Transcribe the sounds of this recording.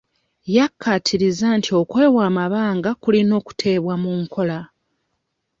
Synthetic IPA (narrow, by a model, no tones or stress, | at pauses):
jakʰːatʰiɾizantʰio̞kwe̞ːwaːmaβaːŋɡakulino̞ːku̥tʰe̞ːβwamuŋkʰo̞la